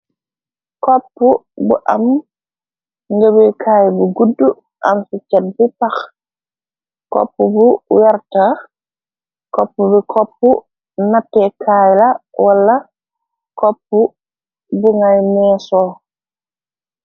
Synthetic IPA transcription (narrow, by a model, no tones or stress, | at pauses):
kɔpːubṵʔam | ŋɡəbikʰaːjbuɡudːu | ʔamsit͡ʃɛt̚bipax | kɔ̰pːubuwaɾta | kɔ̰pːubikʰɔpːu | natːɛkʰaːjlawalːa | kɔpːu | buŋajmɛːsɔ